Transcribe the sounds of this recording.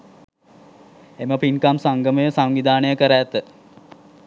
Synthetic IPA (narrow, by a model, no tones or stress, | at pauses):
eməpinkamsaŋɡəməjəsaŋʋid̪ʱaːnəjəkəɾæt̪ə